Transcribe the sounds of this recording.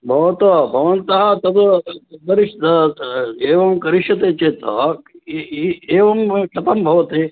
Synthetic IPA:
bʱɐʋɐt̪ɔbʱɐʋɐnt̪ɐɦɐt̪ɐt̪d̪ɐɾiʃt̪ɐ | eːʋɐmkɐɾiʃjɐt̪eːt͡ʃeːt̪ɐ | eːʋɐmʃɐt̪ɐmbʱɐʋɐt̪eː

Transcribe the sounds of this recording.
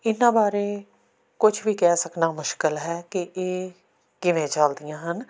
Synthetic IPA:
ɪnːãːbaːɾeː | kʊd͡ʒʰʋiːkɛːsəknaːmʊʃkəlɦɛːkɪʔeː | kɪʋẽːt͡ʃaːld̪ijãːɦən

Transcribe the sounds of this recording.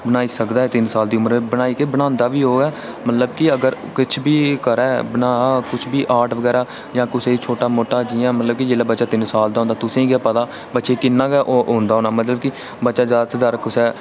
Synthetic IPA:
bənaːiːsəkd̪aːɛːt̪ɪnsaːld̪iːʊməɾẽːbənaːiːkeːbəɽ̃ãːnd̪aːʋiːɦoːɡɛː | mət̪ləbkɪəɡəɾ | kɪt͡ʃʰbiːkəɾɛːbənaːaːkʊt͡ʃʰbiːʔaːʈʰʋəɡɛːɾaː | d͡ʒãːkʊseːit͡ʃʰoːʈaːmoːʈaːd͡ʒiːãːmət̪ləb̚kid͡ʒeːlaːbətːʃaːt̪ɪnsaːld̪aːõnd̪aːt̪ʊsẽːĩːɡaːpəd̪aː | bət̪ːʃeːkɪnːãːɡɛːʔoːʔõːnd̪aːɦoːnaːmət̪ləb̚kɪ | bətːʃaːd͡ʒaːd̪ət̪ːd̪aɾkʊsɛː

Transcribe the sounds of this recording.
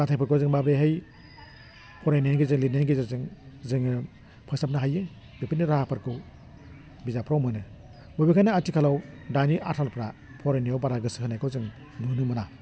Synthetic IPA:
ɡatʰajpʰɯɾkʰozɯŋmabeɦɯj | pʰɔɾajnenɡizɯŋlinenɡizazɯŋzɯŋɯ | pʰasap̚naɦajɯ | b̥epʰiniɾahapʰaɾkʰɯw | bizapʰɾawmɯnɯ | bɔbikʰajnaatʰikʰalawdaniʔatʰalpʰɾa | pʰɔɾajnijawbaɾaɡɯsɯhɯnajkʰɯzɯŋ | nunɯmɯna

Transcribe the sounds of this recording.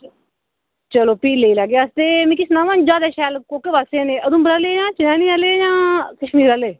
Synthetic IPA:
t͡ʃəloːpiːlːeiːlaɡjaːst̪eːmĩːkɪsnãːʋãːnd͡ʒaːd̪aːʃɛːlkoːkeʋaːsẽːneːʔəd̪ũːbəɾaːlejãːt͡ʃɪnaːnĩːalejãːkəʃmiːɾaːleː

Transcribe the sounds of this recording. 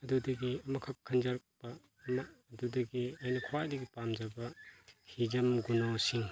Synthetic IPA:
ɐdudɐɡiɐmɐkʰɐkʰːɐnzɐɾɐk̚b̥ɐː | mɐːdudɐɡiɐjnɐkʰuwajdɐɡipamd͡ʒɐbɐkʰid͡ʒɐmɡunosiŋ

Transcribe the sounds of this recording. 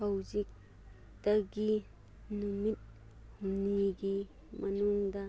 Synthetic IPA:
awzik̚ | d̥ɐɡi | numit̪̚ | huniɡi | mɐnuŋdɐ

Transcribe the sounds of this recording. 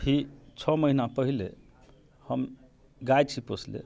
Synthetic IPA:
pit͡sʰɔməɦinapəɦile | həm | ɡajt͡sʰiposlḛ

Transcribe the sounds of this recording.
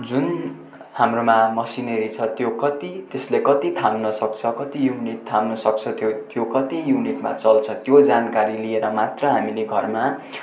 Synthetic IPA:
d͡zun | hamromamʌsineɾit͡sʰʌt̪jokʌt̪it̪eslekʌt̪it̪ʰamnʌsʌk̚t͡sʰʌkʌt̪ijuniʈt̪ʰːamnʌsʌk̚t͡sʰʌt̪jot̪jokʌt̪ijuniʈma̰t͡sʌlt͡sʰʌt̪jod͡zankaɾilieɾʌmat̪rʌɦamineɡʱʌrma

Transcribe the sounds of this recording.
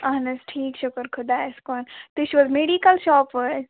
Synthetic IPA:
aɦnɪsʈʰiːkʃʊkəɾkʰʊd̪aɪskɔnt̪ɪt͡ʃʋɔzmeɖikəlʃɔːpʋə

